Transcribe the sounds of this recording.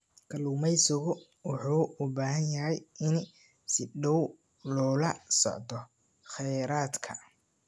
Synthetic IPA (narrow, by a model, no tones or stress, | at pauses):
kʰɐluːmɛjsʊɣʊ | wɑħuːʊbaːɦɐnjɐɦɛjɪn | sɪɖɔw | lɔːlɐsɔ̰ʕd̪ɔ | xɛjɾaːd̪kʰɐ